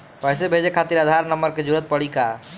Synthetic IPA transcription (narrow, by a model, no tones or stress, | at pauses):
pɔɦsebʱed͡ʒekʰat̪iɾad̪ʱaɾnəməɾked͡ʒuɾət̪̚pəɽika